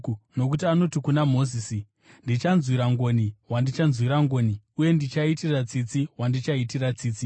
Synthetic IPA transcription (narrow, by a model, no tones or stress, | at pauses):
no̞k̬utiano̞tikunamo̞ziːsi | ndit͡ʃanzwiɾaŋɡo̞niwandit͡ʃanzwiɾaŋɡo̞ni | uje̞ndit͡ʃaitirat͡sit͡siwandit͡ʃaitirat͡siːt͡si